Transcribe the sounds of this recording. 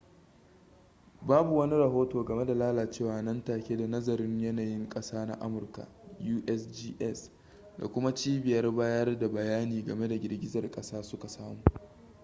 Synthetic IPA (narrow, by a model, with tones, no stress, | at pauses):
baː˦bu˨wɐ˦ni˦ɾɐ˨ɦoː˦toː˨ɡɐ˨me˦da˨laː˦laː˨t͡ʃeː˦˨waː˨˦nɐ˦ntaː˨kʲe˦da˨nɐ˦zɐ˨ɾɪ˦ɲjɐ˦naː˨jɪ˦ŋkʼɐ˦saː˦na̰˦ʔa̰˦mʊ˨rka̰˨juː˦ʔɛ˦sd͡ʒiː˦ʔɛ˦s | da̰˨kʷʊ˦ma˦t͡ʃiː˦bɪ˨jɐ˦rbaː˦jɐ˦rda˨bɐ˨jaː˦niː˨ɡɐ˨me˦da˨ɡʲɪ˨rɡʲɪ˦zɐ˨rkʼɐ˦saː˦sʊ˦ka˨saː˦muː˨